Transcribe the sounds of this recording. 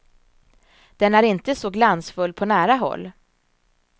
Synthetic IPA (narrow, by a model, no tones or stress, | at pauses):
d̪̥ɛnæɾɪnt̪əsɔɡlansfɵlːpʰɔnæːɾaɦɔ̰lː